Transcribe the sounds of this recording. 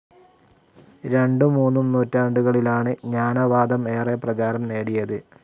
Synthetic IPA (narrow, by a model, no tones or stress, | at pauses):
ɾe̞ɳɖɨmuːnːumnuːtːaːɳɖuɣɐɭilaːɳɨɲaːnɐʋaːd̪ɐme̞ːreprɐt͡ɕaːɾɐmne̞ːɽijɐðɨ